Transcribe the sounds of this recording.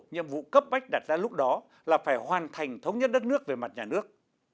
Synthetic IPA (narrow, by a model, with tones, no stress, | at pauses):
ɲḭ˧˨əmvṵ˧˨kə˦˥p̚ɓa˦˥jk̚ɗaː˨˩t̚zaː˧lʊ˦˥k͡p̚ɗɔ˨˦ | laː˨˩faː˧˩jhwaː˨˩nt̪ʰa˨˩jŋ̟t̪ʰə˨˦wŋ͡mɲə˦˥t̚ɗə˦˥t̚nɨ˦˥ək̚ve˨˩ma˨˩t̚ɲaː˨˩nɨ˦˥ək̚